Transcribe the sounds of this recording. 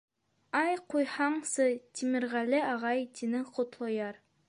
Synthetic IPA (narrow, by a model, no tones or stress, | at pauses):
ɑjqujhɑɴsɤt̪ʲimɘ̆ɾʁælɘɑʁɑjt̪ʲinɘqot̪lˠɤ̆jɑɾ